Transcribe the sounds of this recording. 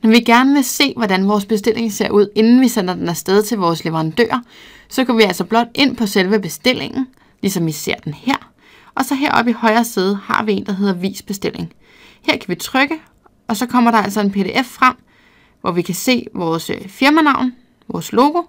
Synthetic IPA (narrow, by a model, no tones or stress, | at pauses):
nɒʋiɡ̥æɐnəʋe̝se̝̰ːʋɒdænʋɒːsb̥e̝sd̥e̝lʔe̝ŋse̝ɐ̰ʔuð̰ˠe̝nn̩ʋisen̰ɐd̥enæsd̥eð̞ˠt͡sʰe̝lʋɒːsleʋəʁɑ̈nd̥ø̰ːɐ | sɒ̽ɡ̥ɒʋiæl̰sɒ̽b̥lɒ̽d̥e̝n̰pʰɒ̽selʋəb̥e̝sd̥e̝l̰e̝ŋn̩ | lisɒ̽mʋise̝ɐ̰d̥enheɐ̰ | ɒ̽sɒ̽ɦeɐ̰ɒ̽b̥ihɒ̽ɪɐːseːð̞ˠhɑ̰̈ʋie̝ːnd̥ɑ̈ɦe̝ðˠɐʋḭːsb̥e̝sd̥e̝l̰e̝ŋ | heɐ̰kʰæʋit͡sʰʁœɡ̥ə | ɒ̽sɒ̽kʰɒ̽m̰ɐɾɑ̈æl̰sɒ̽e̝npʰe̝ɾe̝ːʔefːʁam̰ | ʋʔɒʋikʰæse̝̰ːʋɒːsfiɐmænɑ̈ʊ̰n | ʋɒːslo̝ːɡ̥o̝